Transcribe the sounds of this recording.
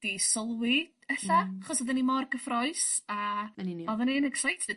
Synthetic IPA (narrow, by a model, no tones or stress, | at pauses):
d̥isɔlˠwɪ | ɛɬaaχɔsɔðənimɔrɡəfrɔɨsaɛniɔðəninəksajtʰə